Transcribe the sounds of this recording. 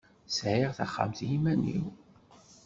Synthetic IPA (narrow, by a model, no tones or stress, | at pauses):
sʕiʁθa̰χːa̰mθjimænḭw